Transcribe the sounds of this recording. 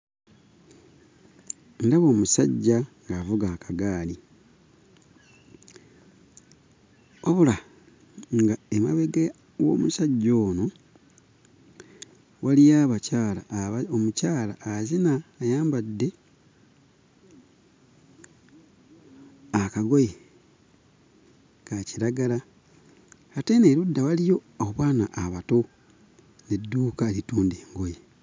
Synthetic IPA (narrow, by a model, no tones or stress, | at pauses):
ndaβo̞ːmusaɟːaŋɡavuɡaːkaɡaːli | oβula | ŋɡaema̰βeɡe | wo̞̰ːmusaɟːoːno̞ | walijaːβacaːlaomucaːlaːzinaːjaːmbadːe̞ | akaɡo̞je | kaciɾaɡala | teneɾudːawalijo̞oβwaːnaʔaβato̞ | nedːuːkalituːndeːŋɡoje